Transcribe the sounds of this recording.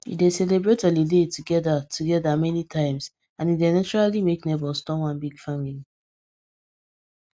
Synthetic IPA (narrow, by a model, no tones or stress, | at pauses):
ḭdesɛlebɹetɛlidetʰuɡɛdatʰuɡɛdamɛnitʰãɪ̃ms | ãnidenat͡ʃɔɹalimeknebɔlstɔ̃nwãnbiɡfamili